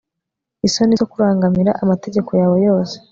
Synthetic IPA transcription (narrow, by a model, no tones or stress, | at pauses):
isoniokuɾaːŋɡamiɾa̰ʔamate̞ɟe̞kojaːwo̞jo̞ːse̥